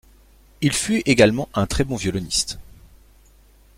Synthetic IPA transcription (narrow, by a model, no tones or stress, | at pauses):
ilfyeɡalmɑ̃ʔɛ̃t̪χɛbɔ̃vjɔlɔnist̪